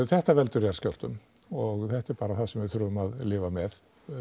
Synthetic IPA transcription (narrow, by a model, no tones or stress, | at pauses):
θɛht̪avɛlt̪ʏɾjaɾ̥scɔwl̥t̪ʏm | ɔɣθɛht̪ɛɾpaːɾaθaðsɛmvɪ̥θɾuːðʏmaðlɪːvamɛð